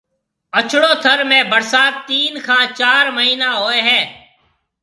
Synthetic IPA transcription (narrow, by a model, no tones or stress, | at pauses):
ət͡ʃʰɽoːt̪ʰəɾmẽːbəɾsaːt̪ːiːnkʰãːt͡ʃaːɾməɦiːnaːɦoːeːɦɛ̃ː